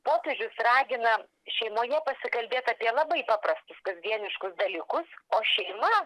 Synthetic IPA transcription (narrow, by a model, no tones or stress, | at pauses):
poːpʲɛʒʲʊsrɑːɡʲɪnɐ | ʃʲɛɪmoːjɛpɐsʲɪkɐlʲbʲeːt̪ɐːpʲiɛlˠɐbɐɪpɑːprɐst̪ʊskɐzʲd̪ʲiɛnʲɪʃkʊsd̪ɐlʲiːkʊsoːʃʲɛɪmɐ